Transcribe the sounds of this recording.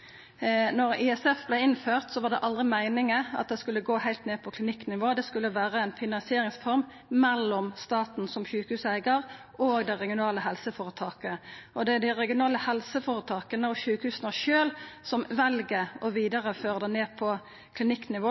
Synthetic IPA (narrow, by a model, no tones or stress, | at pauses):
nɔʁɪɛsɛfblɛɪɪnføːʁt̪sɔʋɑd̪ɛ̰ʔɑld̪ʁɪmæɪnɪŋəɑ̰t̪̚d̪ɛskʉlːəɡoːhæɪlt̪neːpʰɔkʰlɪnɪkːnɪʋoːd̪ɛskʉlːəʋæːʁəæɪnfɪnɑnsɪeːʁɪŋsfɔɾm | mɛlːɔmst̪ɑːt̪n̩sɔmçʉːkəhʉːsæɪɡəʁ | ʔoːɡd̪æʁɛɡɪʊnɑːləhɛlsəfoːʁət̪ʰɑːkəʔɔd̪ɛd̪æɪʁɛɡɪʊnɑːləhɛlsəfoːɾət̪ʰɑːkənəɔʃʉːkəhʉːsənəʃøːlsɔmʋɛlɡəɔʋiːd̪əʁəføːʁəd̪əneːpʰɔ | kʰlɪnɪkːnɪʋoː